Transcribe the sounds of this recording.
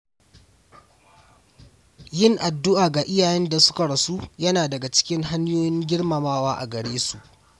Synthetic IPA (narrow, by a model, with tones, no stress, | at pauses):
jɪ˦˨ŋʔa˨dːʊ˦ʔaː˨ɡa˨ʔɪ˦jaː˨jɛ˦nda˨sʊ̥˦ka˨ɽɐ˨su˦jɐ˦naː˨dɐ˨ɡa˨t͡ʃɪ̥˦kʲɪ˦ŋɦa˦ɲjoː˦jɪ˦ŋɡʲɪ˦ɽmɐ˨maː˦waː˦ʔa̰˨ɡɐ˨ɽeː˦su˨ʔ